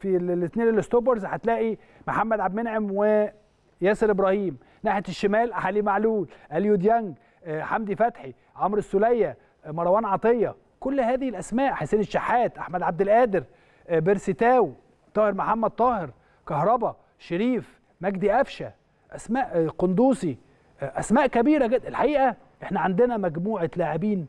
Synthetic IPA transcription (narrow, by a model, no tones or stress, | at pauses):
filɪt̪neːnelːost̪oːbɑɾˤzħat̪læːʔi | moħamːæd̪ʕabmenʕemwe | jæːseɾʔɪbɾˤɑːhiːm | naħet̪eʃːemæːlʔaħalimaʕluːlʔæljud̪jæŋɡ | ħamd̪ifæt̪ħi | ʕomɾɪsːʊlæjːæ | mɑɾˤɑwæːnʕɑt̪ˤejːɑ | kʊlːhæːðɪhɪlʔæsmæːʔħeseːnɪt̪ʃaħːæːt̪ʔaħmæd̪ʕab̚d̪ɪlʔæːd̪ɪɾ | beɾsit̪æːwi | t̪ˤːɑːheɾmoħamːæd̪̚t̪ˤɑːheɾ | kɑhɾˤɑbɑ | ʃeɾiːf | mæɡd̪iʔæfʃæ | ʔæsmæːʔqond̪uːsˤi | ʔæsmæːʔkæbiːɾæɡed̪ʔelħaʔiːʔæ | ʔeħnæʕand̪enæmæɡmuːʕelaːʕebiːn